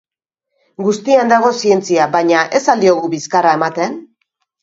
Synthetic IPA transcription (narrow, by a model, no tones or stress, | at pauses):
ɡust̪iand̪aɣ̞o̞sie̞nt͡siabajɲaʔe̞sald̪io̞ɣuβiskarae̞mat̪e̞n